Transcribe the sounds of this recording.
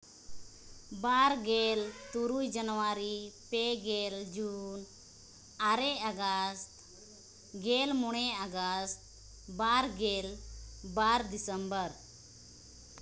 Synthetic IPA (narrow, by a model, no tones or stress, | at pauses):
baɾɡelt̪uɾujd͡ʒənwaɾipeɡeld͡ʒun | aɾɛaɡəst̪ | ɡelmɔɽ̃ɛaɡəst̪ | baɾɡelbaɾd̪isəmbəɾ